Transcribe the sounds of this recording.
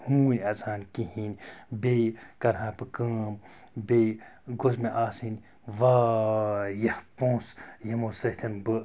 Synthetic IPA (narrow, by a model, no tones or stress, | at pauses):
hũːnʲɐzaːnkĩhĩnʲbekɐɾɦãːpɨkəːm | beɡosmeʔaːsin | ʋaː | jɐhpõːsjɐmosɐht̪ʰʲɐnbɨ